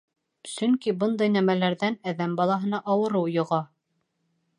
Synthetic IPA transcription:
sɵŋkibɤnd̪ɑjnæmælæɾðænæðæmbɑlˠɑɦɤ̆n̪ɑʔɑwɤ̆ɾɤwjŏʁɑ

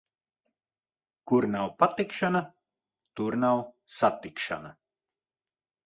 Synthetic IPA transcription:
kuɾnawpat̪ikʃana | t̪uɾnawsat̪ikʃa̰na

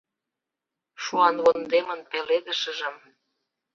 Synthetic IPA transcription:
ʃuɑnβond̪emə̆npeled̪ə̆ʃə̆ʒə̆m

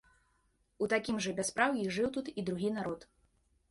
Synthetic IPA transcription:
ut̪akʲimʐɐbʲaspɾawjiʐɨwt̪ut̪id̪ɾuɣʲinaɾɔt̪

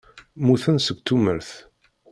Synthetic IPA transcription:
muθənsəɡ̚ʷt̪ːuməɾθ

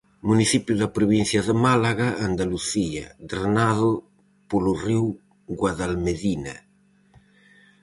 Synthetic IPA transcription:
munisipjuðapɾuβinθjaðəmalaɣaːnd̪aluθia̰d̪ɾanaðu | puluriw | ɡwaðalmeðina̰

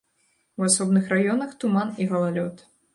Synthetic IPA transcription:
wasɔbnɨxrajɔnɐxt̪umaniɣɐlˠalʲɔt̪

